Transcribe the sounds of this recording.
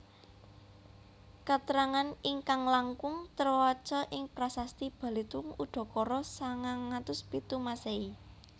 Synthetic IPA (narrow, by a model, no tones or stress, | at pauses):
kat̪əɾaŋaniŋkaŋlaŋkʊŋt̪ərwat͡ʃəʔɪŋpɾasast̪ib̥a̤lit̪ʊŋuɖ̪̥ɔ̤kɔɾɔsaŋaŋːat̪ʊspit̪umasei